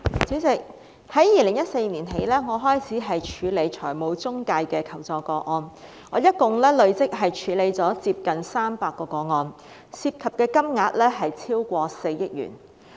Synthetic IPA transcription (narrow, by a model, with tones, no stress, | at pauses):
t͡syː˨˥t͡sɪ˨k̚ | hɐ˨˥jiː˨˧lɪ˨˩ŋjɐ˥t̚se˧jniː˨˩nɦe˨˧jlɛː˥ŋɔː˨˧ɦɔː˥jt͡sʰiː˨˥ɦɐ˨jt͡ʃʰyː˨˧le˨˧jt͡ʃʰɔː˨˩jmo˨˧wt͡sʊ˥ŋkaː˧jkɛː˧kʰɐ˨˩wt͡sɔː˨˧kɔː˧ŋɔː˧n | ŋɔː˨˧˥jɐ˥t̚kʊ˨ŋlɛː˥lɵ˨˧ɥt͡sɪ˥k̚ɦɐ˨jt͡ʃʰyː˨˧le˨˧jt͡sɔː˨˥t͡siː˧p̚kɐ˨nsaː˥mpaː˧kːɔː˧kɔː˧ŋɔː˧n | siː˧p̚kʰɐ˨p̚kɛː˧kɐ˥mŋaː˧t̚lɛː˥ɦɐ˨jt͡sʰiː˥wkʷɔː˧se˧jjɪ˥k̚jy̰ː˨˩n